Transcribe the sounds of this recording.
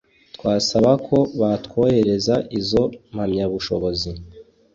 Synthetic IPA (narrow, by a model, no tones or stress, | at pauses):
twaːsaβakʰo̞βatkwoheɾe̞zaʔizo̞m̥hamɲaβuʃo̞βo̞zi